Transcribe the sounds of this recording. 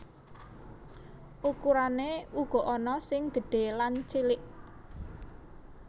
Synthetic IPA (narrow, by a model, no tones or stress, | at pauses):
ʔukuɾaneuɡ̥ɔ̤ʔɔnɔsɪŋd̪̥ə̤ɖ̥e̤lant͡ʃilɪʔ